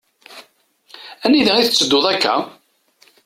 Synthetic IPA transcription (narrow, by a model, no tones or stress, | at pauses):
æniðæiθət͡sːəd̪ːoðˤækːæ̰